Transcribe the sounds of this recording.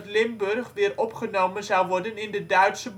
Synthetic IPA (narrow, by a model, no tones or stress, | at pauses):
tlɪmbɵrχʋɪːrɔpχənowmənzɐwʋɔrdənɪndədœɥtsəb